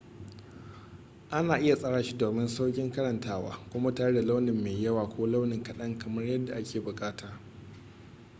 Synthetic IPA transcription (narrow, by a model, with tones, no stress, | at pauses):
ʔa˦naː˨ʔɪ˦ja˨sʼɐ˦ɽaː˨ʃi˦doː˨mɪ˦nsa˦wkʲɪ˦ŋkɐ˦ɾɐ˨ntʰaː˦wa̰ː˦kʷʊ˦ma˦taː˦ɽe˦da˨la˦wnɪ˨mːeː˨jɐ˦waː˨kʷʰoː˦la˦wnɪ˨ŋkɐ˦ɗɐ˦ŋkɐ˨mɐ˦rjɐ˦dːa˨ʔa˦kʲʰeː˨bʊ˨kʼaː˦taː˨